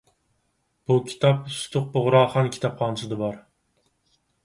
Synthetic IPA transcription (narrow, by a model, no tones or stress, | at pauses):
b̥ukʲʰi̥t̪ʰɑp̚sʊ̥t̪ʰʊq̚bʊʁɾɑːχɑnkʲʰi̥t̪ʰɑpχʰɑːnɨsɨd̪ɨbɑɾ